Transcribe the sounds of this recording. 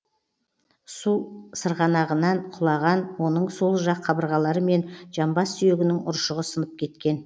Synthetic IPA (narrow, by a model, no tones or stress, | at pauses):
susəɾʁɑnɑʁənɑɴqʰʊlˠɑʁɑnwo̞nəɴso̞lˠʒɑqʰːɑbəɾʁɑlˠɑɾəme̞nʒɑmbɑsːʏje̞ɡʲɪnɪŋʊ̰ɾʃəʁəsənəp̚kʲʰe̞t̪kʲe̞n